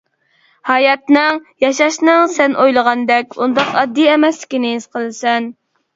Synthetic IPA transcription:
hɑjɑt̪nɨŋjɑʃɑʃnɨŋsɛnʔojlˠəʁɑnd̪ɛkʲund̪ɑqɑd̪ːijɛmɛsɪ̥kʲinɪisqʰəlˠɨsɛn

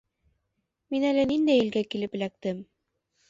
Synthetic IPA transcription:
minælɘnind̪æjɘ̆lɡækilɘpɘ̆læk̚t̪ɘm

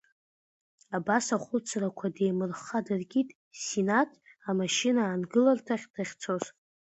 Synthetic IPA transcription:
abasaχʷʊt͡sʰrakʷʰade̞jmɨrχadɨrɡʲitʼ | sinatʰamaʃinaːnɡɨlartʰaχʲd̥aχʲt͡sʰo̞z

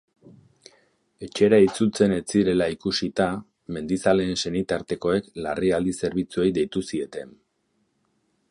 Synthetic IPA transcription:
e̞t͡ʃe̞ɾait͡sut͡se̞ne̞t͡siɾe̞laikusit̪a | me̞nd̪isale̞ːnse̞nit̪aɾt̪e̞ko̞e̞klariald̪ise̞ɾβit͡suejd̪e̞jt̪usie̞t̪e̞n

